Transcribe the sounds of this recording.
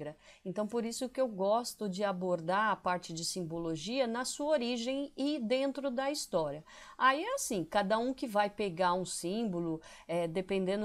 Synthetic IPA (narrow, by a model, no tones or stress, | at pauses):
ɾɐẽnt̪ɐ̃w̃poɾisʊkɪewɡɔst̪ʊd͡ʒɪaboɾd̪aɐpaɾt͡ʃɪd͡ʒɪsĩmboloʒiɐnɐsuɐoɾiʒẽj̃ɪd̪ẽnt̪ɾʊd̪ɐist̪ɔɾiɐ | aiɛasĩkad̪ɐũkɪvajpeɡaũsĩbʊlʊɛd̪epẽnd̪ẽnd̪